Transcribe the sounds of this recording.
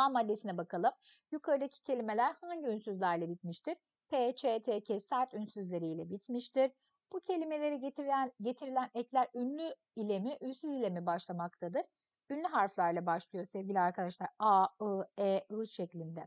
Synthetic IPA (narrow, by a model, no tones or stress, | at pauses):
amːad̪ːe̞sinɛbakʰalˠɯm | jukʰaɾɯd̪acʰi̥cʰe̞lʲime̞lʲæɾhaɲɟiynsyzlʲæɾlʲˠɛbit̪miʃt̪ʰiɾ̥ | pʰet͡ʃʰet̪ʰecʰesæɾt̪ynsyzlʲe̞ɾijlʲɛbit̪miʃt̪ʰiɾ | b̥ucʰe̞lʲime̞lʲe̞ɾiænɟe̞t̪ʰiɾilʲænɛclʲæɾynlʲy | ilʲemiʔynsyzilʲe̞mibaʃlˠamak̚t̪ʰad̪ɯɾ̥ | ynlʲyɦaɾflˠaɾlˠabaʃlˠɯjo̞sɛvɡɟilʲiaɾkʰad̪aʃlˠaɾaɯeɯʃeclʲind̪ɛ